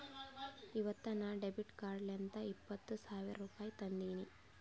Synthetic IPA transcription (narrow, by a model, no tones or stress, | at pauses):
iʋɐt̪ːɐnɐɖebiʈkaːɾɖlɐnt̪ɐipːɐt̪ːusaːʋiɾɾuːpaːjit̪ɐnd̪iːni